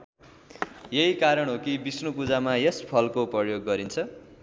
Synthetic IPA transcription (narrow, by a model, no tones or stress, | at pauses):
jeɦikaɾʌɽ̃ɦokibisnupud͡zamajespʰʌlkoprʌjoɡːʌɾint͡sʰʌ